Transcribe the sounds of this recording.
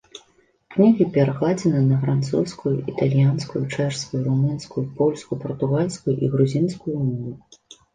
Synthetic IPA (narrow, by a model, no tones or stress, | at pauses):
knʲiɣʲipʲɛɾɐɣlˠad͡zʲɛnɨnɐfɾant̪sṵwskujuit̪alʲjanskujut͡ʂɛʂskujuɾumunskujupɔlʲskujupɐrt̪uɣalʲskujuʔiɣɾuzʲinskujumɔvu